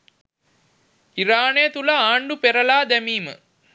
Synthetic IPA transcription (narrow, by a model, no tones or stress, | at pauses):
iɾaːnejt̪ulɐaːɳɖupeɾəlaːd̪æmiːmə̰